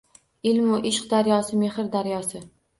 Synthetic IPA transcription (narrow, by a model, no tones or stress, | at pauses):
ɪlmʊʔɪʃqd̪aɾjɒsɪmehɪɾd̪aɾjɒsɪ